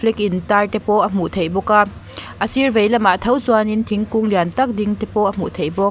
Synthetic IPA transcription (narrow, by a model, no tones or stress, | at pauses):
lik̚intajtepɔʔɐm̥uʔt̪ʰejbɔka | ʔɐsivejlɐmat̪ʰɐwzuanint̪ʰiŋkuŋliant̪ɐk̚diŋtepɔʔɐm̥uʔt̪ʰejbɔ